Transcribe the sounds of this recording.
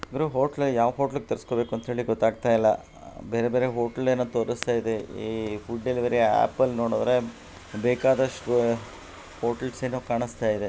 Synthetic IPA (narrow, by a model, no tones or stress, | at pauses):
ɐɡ̪ɾuɦoːʈɐlɐjaːʋɐɦo̞ːʈɐlɐɡ̚et̪ɐɾisko̞ːbe̞ːkuɐnt̪ɦe̞ːɭliɡɔt̪ːaːɡ̚t̪ajilːɐ̰ | beːɾebe̞ːɾeɦoːʈɐleːnːuːt̪oːɾɐst̪aːjid̪eipuɖːelʋɐɾeæ̰ːpːɐlnoːɽod̪ɐɾe | beːkaːd̪ɐʂʈu | hoːʈɐlseːnːuːkaːɳist̪aːjid̪e